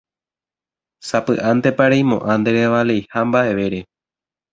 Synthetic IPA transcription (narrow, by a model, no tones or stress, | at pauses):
sapɨ̰ʔãnd̪e̞paɾejmõ̞̰ʔãnd̪e̞ɾeʋale̞jhambaʔe̞ʋe̞ɾe̞